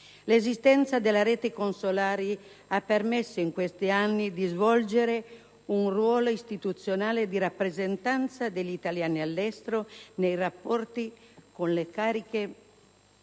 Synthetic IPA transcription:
lezist̪ɛnt̪sad̪elːaɾeːt̪ekonsolaːɾi | apːermesːoiŋkwest̪ianːid̪izvɔld͡ʒeɾe | unrwɔːloist̪it̪ut̪sjonaːled̪iɾapːɾezent̪ant̪sad̪eʎːit̪aljaːnialːɛst̪ɾonejrapːɔrt̪ikonlekaːɾike

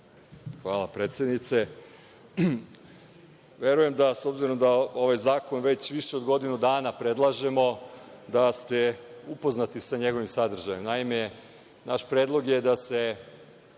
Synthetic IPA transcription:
xʋaːlˠapɾeːt̪sje̞d̪nit̪se̞ | ʋe̞ɾuje̞md̪aso̞bziɾo̞md̪ao̞ʋajzaːko̞nʋe̞t͡ɕʋiʃeo̞d̪ɡo̞d̪inud̪aːnapɾe̞d̪lˠaʒe̞mo̞d̪ast̪e̞upo̞znat̪isaɲe̞ɡo̞ʋimsad̪r̩ʒajemnaime | naʃpɾeːd̪lˠo̞ɡje̞d̪ase̞

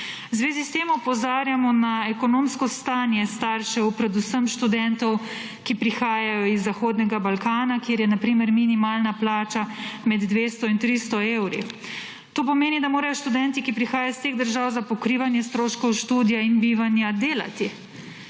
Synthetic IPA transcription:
zʋeːzist̪eːmɔpɔzaːɾjamɔnaɛkɔnomskɔst̪aːnjɛst̪aɾʃɛwpɾɛd̪usəmʃt̪ud̪ɛnt̪ɔw | kipɾixaːjajɔizːaxoːd̪nɛɡabalkaːnakjeːɾjɛnapɾiːmɛɾminimaːlnaplaːt͡ʃamɛd̪d̪ʋeːst̪ɔint̪ɾist̪ɔewɾḭ | t̪oːpɔmeːnid̪amoːɾajɔʃt̪ud̪ɛnt̪ikipɾixaːjajɔst̪eɣd̪əɾʒawzapɔkɾiːʋanjɛst̪ɾoːʃkɔwʃt̪uːd̪ijainbiːʋanjad̪eːla̰t̪i

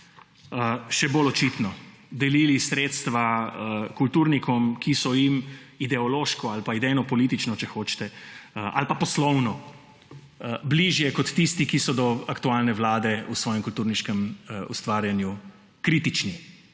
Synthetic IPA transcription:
ʃɛbolɔt͡ʃit̪nɔ | d̪ɛlilisɾeːt̪st̪ʋakult̪uːɾnikʰɔmkisɔjimid̪ɛɔloːʃkɔalpaid̪ɛjnɔpɔlit̪it͡ʃnɔt͡ʃɛxoːt͡ʃt̪ɛʔa̰lpapɔslɔwnɔ | bliʒjɛkɔt̪ːist̪ikisɔd̪ɔakt̪ualnɛʋlaːd̪ɛusʋɔːjɛmkult̪uːɾniʃkɛmṵst̪ʋaːɾjanju | kɾiːt̪it͡ʃni

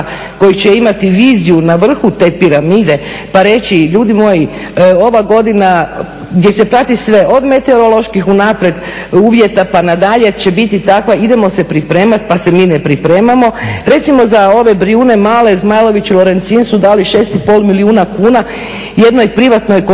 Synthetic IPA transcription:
ko̞jit͡ɕeimat̪iʋiːzijunaʋr̩xut̪e̞ːpiɾamiːd̪e̞ | paɾe̞t͡ɕiʎuːd̪imo̞ji | o̞ʋaɡo̞d̪ina | ɡd̪je̞se̞pɾat̪isʋe̞ʔo̞d̪me̞t̪eoɾo̞lo̞ʃkixunapɾed̪ | uːʋje̞t̪apanad̪aʎet͡ɕe̞bit̪it̪akʋaid̪e̞mo̞sepɾipɾe̞ːmat̪pasemiːnepɾipɾe̞ːmamo̞ɾe̞t̪simo̞zao̞ʋe̞bɾiuːne̞maːle̞zmaːjlˠo̞ʋit͡ɕilˠo̞ɾe̞nt̪siːnsud̪aːliʃe̞ːst̪ipo̞lˠmiliuːnakuːna | je̞d̪nojpɾiʋat̪nojko

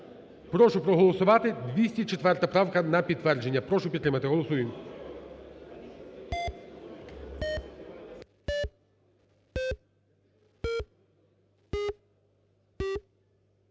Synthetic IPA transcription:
pɾɔʃʊpɾɔɦɔlˠɔsʊʋɑt̪ɪd̪ʋʲisʲtʲit͡ʃet̪ʋɛrt̪ɐpɾɑwkɐnɐpʲid̪̚t̪ːʋɛrd͡ʒe̞nʲːɐpɾɔʃʊpʲit̪ːɾɪmɐt̪ɪɦɔlˠɔsujɪm

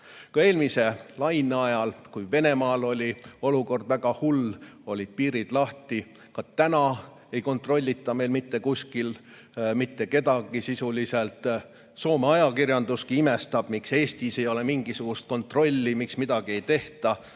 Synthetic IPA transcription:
kɑe̞ːlmise̞lɑjneɑjɑlkujve̞ne̞mɑːlo̞lʲio̞luko̞rd̪̥væɡ̥ɑhulo̞lʲid̪̥̚piːɾid̪̥lɑht̪i | kɑt̪ænɑ | ejko̞nt̪ˑro̞lʲːit̪ːˑɑme̞jlmit̪ːe̞kusʲkil | mit̪ːe̞ke̞d̪ɑɡ̥isisulise̞lt̪ˑ | so̞ːmeɑjɑkirjɑnd̪̥uskiime̞st̪ɑb̥mikse̞ːst̪ise̞jo̞le̞miŋɡisuɡ̥ust̪̚ko̞nt̪ˑro̞lʲːimiksmid̪̥ɑɡ̥ie̞jt̪e̞ht̪ɑ

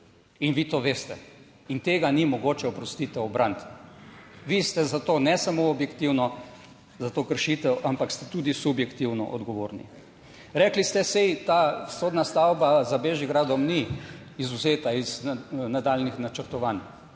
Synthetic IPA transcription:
inʋiːt̪oːʋeːst̪ɛ | int̪eːɡanimɔɡoːt͡ʃɛɔpɾɔst̪it̪ɛwɔbɾant̪ | ʋist̪ɛzat̪oːnɛsamoɔbjɛkt̪iwnɔ | zat̪okəɾʃit̪ɛwʔampakst̪ɛt̪ud̪isubjɛkt̪iwnɔ̰ʔɔd̪ɡɔʋoːɾnḭ | ɾɛklist̪ɛsɛjt̪asoːd̪nast̪awbazabeʒiɡɾaːd̪ɔmni | izuzeːt̪aiz̥nad̪alnixnat͡ʃəɾt̪ɔʋaːn

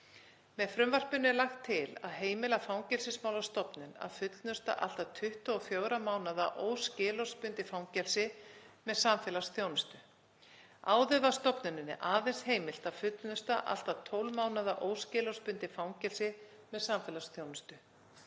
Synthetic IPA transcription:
mɛðfɾʏmvar̥pʏnːɛlaxt̪ʰːɪla̰ðɦeːjmɪlafawŋcɛlsɪsmaːwlast̪ɔpnʏna̰ðfʏt̪lnʏst̪a̰ʔa̰l̥t̪at̪ʰʏht̪ɔɔfjoːwɾamaːwnaðaʔoːwscɪːlɔwspʏnt̪ɪfawŋcɛlsɪmɛðsaːmfɛːlasθjoːwnʏst̪ʏ | aːwðʏvast̪ɔpnʏnʏnɪ̰ʔaːðejnsheːjmɪl̥t̪aðfʏt̪lnʏst̪aʔa̰l̥t̪at̪ʰowlmaːwnaðaʔoːwscɪːlɔspʏnt̪ɪfawŋcɛlsɪ | mɛðsaːmfɛːlasθjoːwnʏst̪ʏ

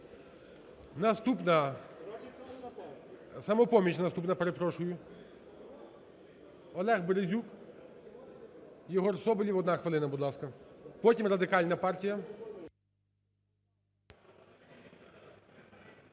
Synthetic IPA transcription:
nɐst̪upnɐ | sɐmɔpɔmʲit͡ʃnɐst̪upnɐpeɾepɾɔʃʊjʊ | ɔlˠɛɣbeɾezʲuk | jɔɦɔrsɔbɪlʲiʋɔd̪nɑxʋɪlˠɪnɐbud̪lˠɑskɐpɔtʲimrɐd̪ɪkɑlʲnɐpɑrtʲijɐ

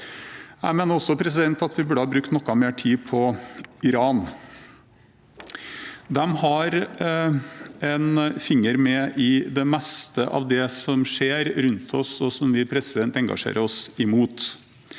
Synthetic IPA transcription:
jæɪmeːnəɾɔsːɔpʰɾɛs̬ɪd̪ɛnt̪ɑt̪ʋɪbʉɖəhɑːbɾʉk̚t̪nɔkːɑmeːʈʰiːpʰɔɪɾɑːn | d̪ɛmhɑɾ | ɛnfɪŋːəɾmɛʔɪd̪ɛmɛst̪əʔɑ̰ʋd̪ɛsɔmʂeːɾɾʉnt̪ʰɔsɔsɔmʋɪpʰɾɛsɪd̪ɛnt̪ɛŋɡɑ̰ʂḛːɾəɾɔsɪmuːt̪

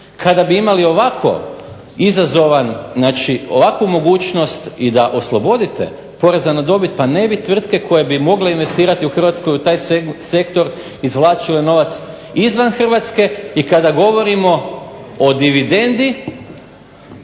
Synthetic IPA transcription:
kʰad̪abiimalio̞ʋakʰo̞̰ | izazo̞ʋannaːt͡ʃio̞ʋakʋumo̞ɡuːt͡ʃno̞st̪id̪aʔo̞slˠo̞bo̞d̪it̪e̞̰ | po̞ɾe̞zanad̪o̞bit̪̚pane̞bit̪ʋr̩t̪ke̞kʰo̞je̞bimo̞ɡle̞inʋe̞st̪iːɾat̪iuxr̩ʋat̪sko̞jut̪aːjse̞kt̪o̞ɾ | izʋlˠaːt͡ʃile̞no̞ʋat̪s | izʋanxr̩ʋat̪ske̞ikad̪aɡo̞ʋo̞ɾimo̞od̪iʋid̪e̞nd̪i

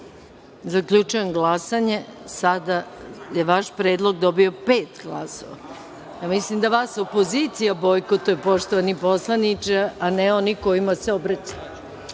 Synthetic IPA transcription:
zakʎut͡ʃujemɡlˠasaɲe̞sad̪ajeʋaʃpɾed̪lˠo̞ɡd̪obio̞peːt̪ɡla̰so̰ʋa̰ | jamislimd̪aʋaːsopo̞zit̪sijabojkot̪opo̞ʃt̪oʋanipo̞slˠanit͡ʂeaneo̞niko̞imaseobɾat͡ɕajau

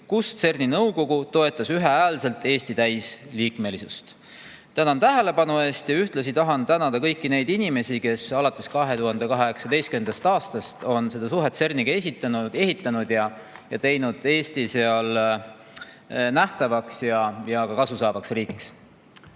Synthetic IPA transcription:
kust̪se̞rninɤwko̞ɡut̪o̞e̞t̪ːˑɑsyɦeæːlse̞lt̪e̞ːst̪it̪æjsliːkme̞lisust̪ | t̪ænɑnt̪æɦe̞le̞pɑnue̞ːst̪jɑyht̪lɑs̬it̪ɑɦɑnt̪ænɑd̪̥ɑkɤjkːine̞jd̪inime̞sike̞sɑlɑt̪ːˑe̞skɑɦe̞t̪uɦɑnd̪ekɑɦeeksɑd̪e̞jskyend̪̥ɑst̪ɑːst̪ɑst̪o̞nse̞d̪ɑsuɦe̞t̪ːse̞rniɡ̥ɑe̞sit̪ːˑɑnud̪e̞ɦit̪ˑːɑnud̪̥jɑ | jɑt̪e̞jnud̪̥e̞ːst̪ise̞ɑl | næht̪ɑvɑksjɑjɑkɑkɑsusɑːb̥ɑksriːkiks

